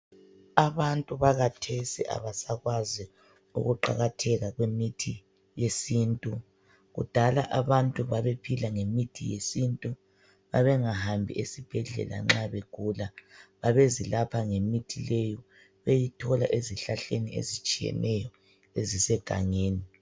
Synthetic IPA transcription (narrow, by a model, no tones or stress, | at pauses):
aβantʼuβaɣatʰesiʔa̰βasaɣwazi | ṵɣuǃa̰ɣatʰɛɣaɣwemitʰi | jesintʼu | ɣṵd̥ʱalaʔaβantʼuβaβepʰilaŋemitʰijḛsintʼu | βaβɛŋahambʱiʔesib̥ʱɛɮɛ̰la̰ŋ͡ǁaβeɡ̥ʱulaβaβezilapʰaŋemitʰilejɔ | βejitʰɔlaʔeziɬaɬeniḛzit͡ʃʼijɛ̰nʔɛjɔ | ezisɛɡ̥ʱa̰ŋeːni